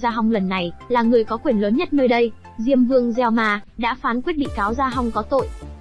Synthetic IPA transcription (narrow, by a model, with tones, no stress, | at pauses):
zaː˧ɦa˧wŋ͡mlə˨˩nːa˨˩jlaː˨˩ŋɨ˨˩əjkɔ˨˦kwi˧˩ənləː˨˦nɲə˦˥t̚nəː˧jɗə˧j | zi˧əmvɨ˧əŋzɛ˧wmaː˧ɗa̰ː˧˥faː˨˦nkwi˦˥ət̚ɗḭ˧˨kaː˨˦wzaː˧ɦa˧wŋ͡mkɔ˨˦t̪o̰˧˨j